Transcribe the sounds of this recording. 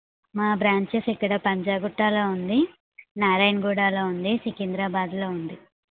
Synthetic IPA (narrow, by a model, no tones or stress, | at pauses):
maːbɾaːɲt͡ʃesikːɐɽɐpɐɲd͡ʒaːɡuʈːaːloːund̪i | naːɾɐjnɡuːɽaːloːund̪isikind̪ɾaːbaːd̪loːund̪i